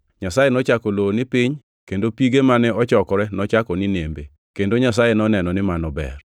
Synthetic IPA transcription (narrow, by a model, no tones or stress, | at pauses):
ɲasajenɔt͡ʃakɔloonɪpiɲ | kendopiɡemanɛɔt͡ʃɔkɔɾɛnɔt͡ʃakɔnɪnembe | kendoɲas̬ajenɔnɛnɔnɪmanɔbɛ̰r